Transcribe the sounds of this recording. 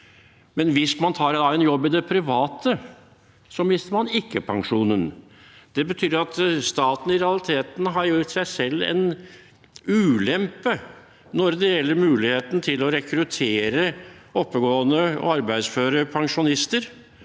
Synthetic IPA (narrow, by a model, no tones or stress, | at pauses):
mɛnʋɪsmɑnt̪ʰɑːɾd̪ɑɛnjɔbːɪd̪ɛpʰɾɪʋɑːt̪ə | sɔmɪst̪əɾmɑnɪkːəpʰɑŋʂuːnən | d̪̥ɛbət̪ʰyːɾɑt̪st̪ɑːt̪n̩ɪɾɛɑlɪt̪ʰeːt̪n̩ɦɑɾjut̪sæɪsɛlːɛ̰n | ʉːlɛmpə | nɔɾd̪ɛjɛlːəɾmʉːlɪheːt̪n̩t̪ʰɪlɔɾɛkʰɾʉt̪ʰeːɾəɔpːəɡoːənəɔ̰ɑɾbæɪsføːɾəpʰɑŋʂʊnɪst̪əɾ